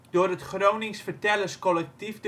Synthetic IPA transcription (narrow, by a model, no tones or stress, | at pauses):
d̥oːrətχrownɪŋsfərtɛləskɔlɛk̚tifd